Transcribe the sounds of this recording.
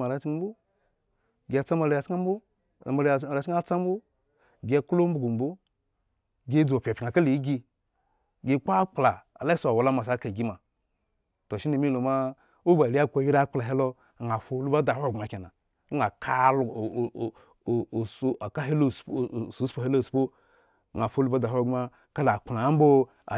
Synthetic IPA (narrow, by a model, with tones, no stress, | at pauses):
ma˨ɾa˨˦t͡ʃm˦bu˦ | ɡʲe˨a˨t͡sa˦ma˨la˨ja˨t͡ʃa˦m̩˦bu˦˨ | ma˨lɾa˨˦i˦a˦t͡sa˦m˦bo˦ | ɡa˦˨klo˦m̩˦bu˨ɡu˨m˨bu˦ | ɡe˦d͡zo˨pʲa˨pʲa˨ka˦li˨˦ɡi˦˧ | ɡe˦k͡pa˦k͡pla˨a˨la˦so˨a˨wo˨la˦ma˨s̬a˨˦ka˨ɡi˦ma˨ | to˨ʃi˦ni˨mi˦lo˨ma˦ | o˦ba˨ɾi˦a˦˨kʷa˨ji˦ɾa˦k͡pla˨ɦe˦lo˦˨ | ŋa˨fo˦lu˦ba˦da˨hɡa˨ke˨na˨˦ | ŋa˨kʰa˦l | so˨a˨ka˦ɦe˦lo˦˨su˨˦spo˦he˦lo˦˨spo˦˨ | ŋa˨fo˦lu˦ba˦da˨ɦɡa˦ | ka˦la˨k͡pla˨˦m̩˦bo˦ | a̰˨